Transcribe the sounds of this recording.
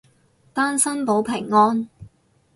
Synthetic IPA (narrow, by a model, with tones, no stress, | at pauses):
t̪aː˥nsɐ˥npo˨˥wpʰɪ˨˩ŋːɔː˥n